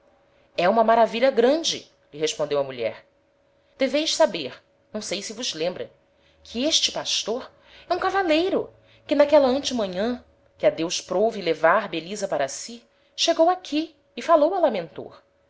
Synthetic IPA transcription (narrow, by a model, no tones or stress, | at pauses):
ɛũmɐmaɾaviʎɐɡɾɐ̃d͡ʒɪ̰ | ʎiɦeʃpõd̪ewɐmuʎɛ̰ɾ | d̪̥evejʃsabeɾ | nɐ̃w̃sejsɪvʊzlẽmbɾɐ | kʰɪeʃt͡ʃɪ̥paʃt̪oɾ | ɛũkavalejɾʊ | kɪnakɛlɐɐ̃nt͡ʃɪmɐ̃ɲɐ̃ | kɪad̪ewʃpɾovilevaɾbelizɐpaɾɐsi | ʃeɡowakʰiː | falowɐlamẽnt̪o̰ɾ